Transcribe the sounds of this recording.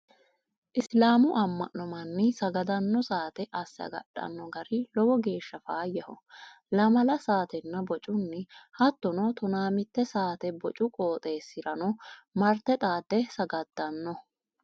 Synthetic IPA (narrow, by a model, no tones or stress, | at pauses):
ʔɪslaːmʊʔɐmːɐ̰ʔɔmɐnːɪsɐɡɐd̪ɐnːɔsaːt̪ɛʔɐsːɐ̰ɡɐ̰ɗɐ̰nːɔɡɐɾɪlɔɡɔɡe̞ːʃːɐfaːjːɐhɔ | lɐmɐlɐsaːt̪ɛnːɐbɔt͡ʃʼʊnːɪhɐt̪ːɔnɔt̪ɔnaːmɪt̪ːɛsaːt̪ɛbɔt͡ʃʼʊkʼoːt̪ʼe̞ːsːɪɾɐnɔmɐɾt̪ɛt̪ʼaːd̪ɛsɐɡɐd̪̥ːɐnːɔ